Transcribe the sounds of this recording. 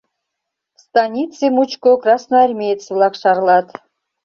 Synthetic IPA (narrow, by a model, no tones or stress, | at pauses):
st̪ɑnʲit̪sɨmut͡ɕkokrɑsnoarʲmʲejet̪t͡s̪vlˠɑkʃɑɾlˠɑt̪